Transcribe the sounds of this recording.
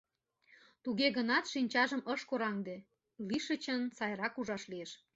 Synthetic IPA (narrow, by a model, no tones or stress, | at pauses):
t̪uɣeɣənɑt̪ʃinʲt͡ɕɑʒəməʃkoɾɑŋd̪e | liʃə̆t͡ɕənsɑjɾɑkuʒɑʃlieʃ